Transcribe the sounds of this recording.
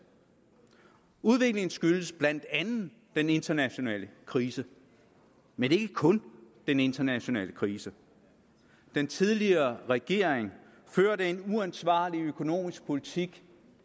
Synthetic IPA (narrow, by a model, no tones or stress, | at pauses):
uð̞ˠʋe̝ɡ̥le̝ŋn̩sɡ̥yl̥əsb̥læn̰d̥ænð̩ | d̥ene̝nd̥ɐnæɕo̝nɛ̰ːləkʰʁiːsə | mene̝ɡ̥əkʰɔ̽nd̥ene̝nd̥ɐnæɕo̝nɛ̰ːləkʰʁiːsə | d̥ent͡sʰið̞ˠliɐːʁɛɡ̥e̝̰ɐ̰eŋ | føːɐɾee̝nuænsʋɑ̰̈ːliøkʰo̝no̝̰ːmisɡ̥̚pʰo̝lit͡sʰiɡ̥